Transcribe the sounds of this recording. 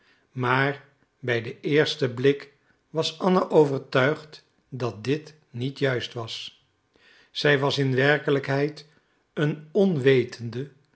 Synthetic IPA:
maːɹ | bɛjdəʔɪːɹstəblɪk | ʋɑsɑnəʔowvəɹtœɥχt | dɑt̚dɪt | nitjœɥstʋɑs | z̥ɛjʋɑsɪnʋɛɹkələkɦɛjt | ənɔnʋejtʰəndə

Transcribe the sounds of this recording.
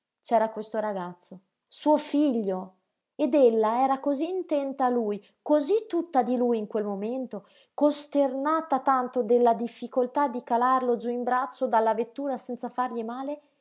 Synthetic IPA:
t͡ʃɛːɾakwest̪oɾaɡat̪sːo | suːofiʎːo | ed̪elːaɛːɾakoziːnt̪ɛnt̪aːluːj | kozit̪ːut̪ːad̪iluːjiŋkwelmoment̪o | kost̪ernaːt̪at̪ant̪od̪elːad̪ifːikolt̪ad̪ːikalarlod͡ʒuimbɾat͡ʃːod̪alːavet̪ːuːɾasɛnt̪safarʎimaːle

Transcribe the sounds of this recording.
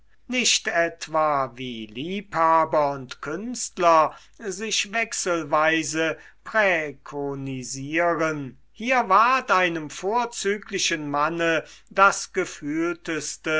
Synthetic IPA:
nɪʃtɛtv̥aːviːliːphaːbɐʊntkʰʏnstlɐ | zɪʃvɛksəlvaɪzə | pʁ̥ɛkʰoniziːʁən | hiːɐvaɐtʔaɪnəmfoːɐt͡syːklɪʃənmanəd̥asɡ̥əfyːltəstə

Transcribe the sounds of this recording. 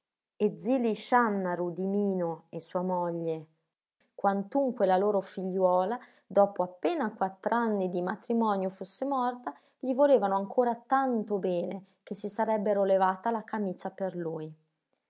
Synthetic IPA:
ed̪ziliʃanːaɾud̪imiːnoesːuːamɔʎːe | kwant̪uŋkwelaloːɾofiʎːwɔːla | d̪ɔːpoapːeːnakwat̪ːɾanːid̪imat̪ɾimɔːnjofusːemɔrt̪a | ʎivoleːvanoaŋkʰoːɾat̪ant̪obɛːnek̟esːisaɾɛbːeɾolevaːt̪alakamiːt͡ʃaperluːj

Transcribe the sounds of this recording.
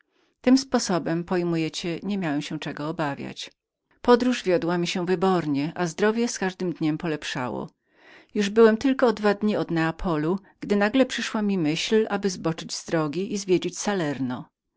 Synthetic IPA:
t̪ɘmspɔsɔbɛmpɔjmujɛt͡ɕɛɲemʲjawɛmɕɛt͡ʂɛɡɔːbavʲja̰t͡ɕ | pɔd̪ɾuʐvʲjɔd̪wamʲiɕɛvɘbɔɾɲɛʔazd̪ɾɔvʲjɛskaʐd̪ɘmd̪ɲɛmpɔlɛpʂa̰wɔ̰ | juʐbɘwɛmt̪ɘlkɔd̪vad̪ɲiɔd̪nɛapʰɔlu | ɡ̥d̪ɘnaɡlɛpʂɘʂwamʲimɘɕlʔabɘzbɔt͡ʂɘd͡ʑzd̪ɾɔɡʲiʔizvʲjed͡ʑet͡ɕsalɛɾnɔ

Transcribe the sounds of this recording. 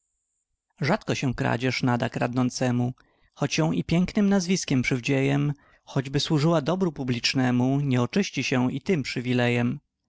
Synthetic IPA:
ʐat̪kɔɕɛ̃kɾa̰d͡ʑɛʂnad̪akɾad̪nɔnt̪sɛmu | xɔt͡ɕjɔ̃w̃ʔipʲjɛŋknɘmnazvʲiskʲɛmpʂɘvd͡ʑejɛm | xɔd͡ʑbɘswuʐɘwad̪ɔbɾupublʲit͡ʂnɛmuɲɛɔt͡ʂɘɕt͡ɕiɕɛit̪ɘmpʂɘvʲilɛjɛm

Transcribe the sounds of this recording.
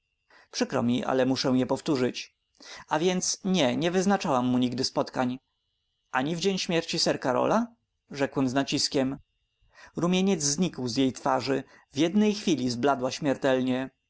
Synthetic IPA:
pʂɘkɾɔ̰mʲiʔa̰lɛmuʂɛw̃jɛpɔft̪uʐɘt͡ɕ | avʲjɛnt̪sɲɛɲɛvɘznat͡ʂawamːuɲiɡd̪ɘspɔt̪kaɲ | ʔaɲivd͡ʑeɲɕmʲjɛɾt͡ɕisɛɾkaɾɔ̰la | ʐɛkwɛmznat͡ɕiskʲɛm | ɾumʲjeɲɛd̪zzɲikwzjejt̪faʐɘ | vʲjɛd̪nɛjxfʲilʲizblad̪waɕmʲjɛɾt̪ɛlɲɛ

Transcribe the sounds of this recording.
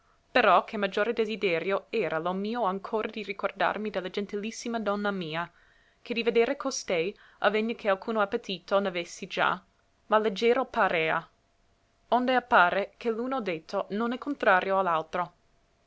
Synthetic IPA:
peɾɔkʰemad͡ʒoːɾed̪ezid̪ɛːɾjoɛːɾʔalomiːoaŋkʰoːɾʔad̪irikord̪a̰rmid̪elːad͡ʒɛnt̪ilisːimad̪ɔnːamiːa | kʰed̪ived̪eːɾekost̪ɛj | a̰veɲːekʰealkʰuːnoapːet̪iːt̪onavesːid͡ʒa̰ | maled͡ʒːeːɾopaɾeːa̰ | ond̪eapːaːɾekʰelunod̪et̪ʰːononɛkʰont̪ɾaːɾjoalːalt̪ɾo

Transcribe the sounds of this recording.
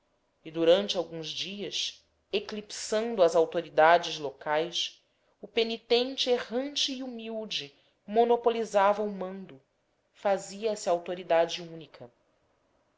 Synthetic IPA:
ɪd̪uɾɐ̃nt͡ʃɪawɡũzd͡ʒiɐs | eklipsɐ̃nd̪ʊɐzawt̪oɾid̪ad͡ʒɪzlokajs | ʊpenit̪ẽnt͡ʃɪeɦɐ̃nt͡ʃɪːumiwd͡ʒɪ | monopolizavɐʊmɐ̃nd̪ʊ | faziɐɛsɐawt̪oɾid̪ad͡ʒɪũnikʰɐ

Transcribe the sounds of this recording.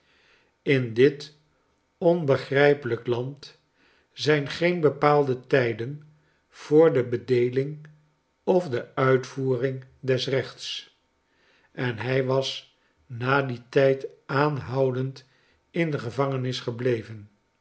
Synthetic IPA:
ɪndɪt | ɔnbəχrɛjpələklɑnt | zɛjnχejnbəpaːlˠdətɛjdən | v̥ʊːɹdəbədejlɪŋ | ɔfdəœɥtfuːrɪŋdɛsrɛχts | ɛnɦɛjʋɑs | naːditɛjtaːnɦɑwdənt | ɪndəχəvɑŋənɪsχəblejvən

